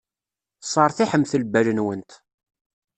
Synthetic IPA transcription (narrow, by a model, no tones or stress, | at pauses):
sˤɑɾˤθiħəmθəlbælənwənt̪